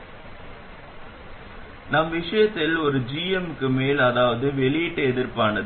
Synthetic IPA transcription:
nɐmʋɪʂɐjɐt̪ːɪlɔɾɯd͡ʒiːɛmkːɯmeːlɐðaːʋɐðɯʋɛɭɪjɛʈːɯɛðɪɾpaːnɐð

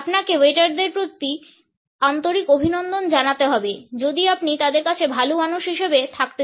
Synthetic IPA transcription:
apnakeweʈaɾd̪eɾpɾot̪ːi | ant̪oɾikobʱinɔnd̪ond͡ʑanat̪eɦɔbed͡ʑod̪iapnit̪ad̪eɾkat͡ɕʰebʱalomanuʃɦiʃebet̪ʰak̚t̪e

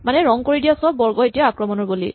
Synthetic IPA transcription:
manɛɹɔŋkoɹidijasɔbːɔɹɡɔetiaakɹɔmɔnɔɹbolḭ

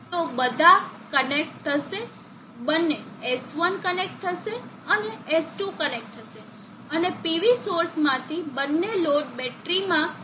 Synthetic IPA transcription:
t̪obəd̪ʱakənek̚ʈt̪ʰəʃe | bənːeːsʋənkənek̚ʈ̚t̪ʰːəʃeəneesʈukənek̚ʈ̚t̪ʰəʃe | ənepiʋisoɾsmãt̪ʰibənːeloʈbɛʈɾimã

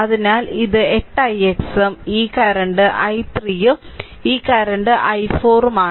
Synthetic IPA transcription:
ɐðinaːliðɨe̞ʈːɐjeksɐmiːkɐɾɐɳɖɨʔɐjt̪riːjɨ | iːkɐɾɐɳɖɨʔɐjfoːrmaː

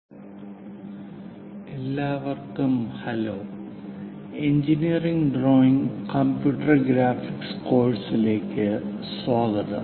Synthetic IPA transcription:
e̞lːaːʋɐrkt̪ːumhɐloː | eɲd͡ʑinijɐriŋɡɖroːiŋkɐmpjuːʈːɐrɡɾaːfiksko̞ːɻɖsile̞ːkːɨsoːɡɐðɨ̰

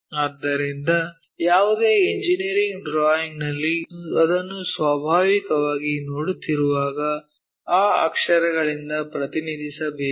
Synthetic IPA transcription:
aːd̪ːɐɾind̪ɐ | jaːʋud̪eːiɲd͡ʒiniɾiŋɡɖɾaːjiŋɡnɐlːiɐd̪ɐnːusʋaːbʱaːʋikɐʋaːɡinoːɽut̪ːiɾuʋaːɡɐ | aːa̰kʂɐɾɐɡɐɭind̪ɐpɾɐt̪inid̪ʱisɐbeː

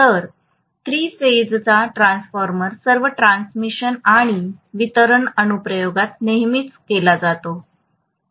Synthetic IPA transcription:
t̪əɾ | t̪ɾiːfed͡zt͡saʈɾãnsfɔɾməɾsəɾʋəʈɾansmiɕənaɽ̃iʋit̪əɾəɳənupɾəjoɡat̪̚neɦmiːt͡skelad͡zat̪o

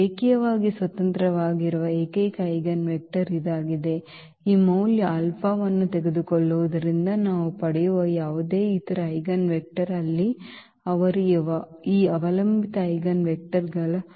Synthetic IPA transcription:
eːkijɐʋaːɡisʋɐt̪ɐnt̪ɾɐʋaːɡiɾuʋɐeːkɐjkɐjɡɐnʋek̚ʈɐɾid̪aːɡid̪e̞ | iːmɐwljɐɐlpʰaːʋɐnːut̪eɡed̪ukɔɭːuʋud̪ɐɾind̪ɐnaːʋupɐɽɛjuʋɐjaːʋud̪e̞ːit̪ɐɾɐɐjɡɐnʋek̚ʈɐɾɐlːi | ɐʋɐɾuʋɐiːɐʋɐlɐmbit̪ɐɐjɡɐnʋek̚ʈɐɾɡɐɭ

